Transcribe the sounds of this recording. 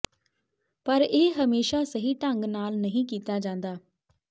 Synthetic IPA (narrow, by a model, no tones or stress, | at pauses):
pəɾeːɦəmeːʃaːsəɦiːʈəŋɡnaːlnəɦĩːkiːt̪aːd͡ʒãːnd̪aː